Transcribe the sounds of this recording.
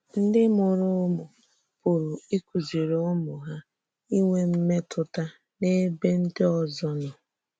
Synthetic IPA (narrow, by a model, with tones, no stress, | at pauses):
n̩˦dɪ˦mʊ˨ɾʊ˦mʊ˨ | pʊ˨ɾʊ˨i˦kʷu˨zi˨ɾʊ˦mʊ˨ɦa˦ | i˦ŋʷe˦m̩˦me˦tʰʊ˨ta˦ | ne˦be˦n̩˦dɪ˦ɔ˨zɔ˦nʊ˨